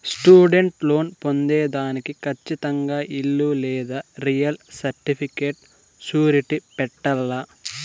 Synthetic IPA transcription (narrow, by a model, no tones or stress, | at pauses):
sʈuːɖeɳʈlo̞ːnpo̞nd̪eːd̪aːnikikʰɐt͡ʃːit̪ɐŋɡaːʔilːulɛːd̪aːɾijɐlsɐɾʈipʰikeːʈ̚ | t͡ʃuːɾiʈipɛʈːɐlːa